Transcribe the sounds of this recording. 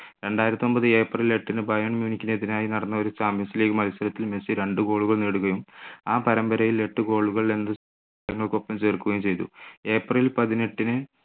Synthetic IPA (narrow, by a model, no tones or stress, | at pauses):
ɾe̞ɳɖaːjiɾɐt̪ːiːo̞mbɐðɨe̞ːprɐle̞ʈːinɨbɐjɐɳmjuːnikʲːineðinaːjinɐɽɐnːɐoɾusaːmjɐsileːkːumɐlisɐɾɐt̪ːilmesiɾeɳɖɨɡo̞ːɭuɣɐɭneːɽuɣɐjumaːpɐɾɐmbɐɾɐjile̞ʈːɨɡo̞ːɭuɣɐɭe̞nːɨs | ɐŋːɐɭko̞pːɐmt͡ɕeːrkːuɣɐjumt͡ɕe̞jt̪ṵe̞ːprilpɐðine̞ʈːinɨ